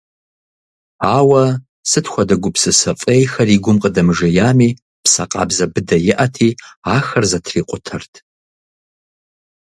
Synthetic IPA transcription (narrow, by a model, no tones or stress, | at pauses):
aːwɐ | sɨtxʷɐdɐɡʷʊpsɨsɐfʼejxɐriːɡʷʊmqʼədɐmɨʒɐjaːmiː | psɐqʼɑ̰ːbzɐbɨdɐjɪʔɐtʰiːaːxɐrzɐtʰriːqʷʼʊtʰɐrtʰ